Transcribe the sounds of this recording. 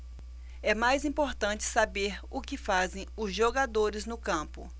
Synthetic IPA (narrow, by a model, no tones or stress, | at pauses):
ɛmajzĩpoɾt̪ɐ̃t͡ʃɪ̥sabeɾʊkɪfazẽj̃ʊzʒoɡad̪oɾɪznʊkɐ̃pʊ̰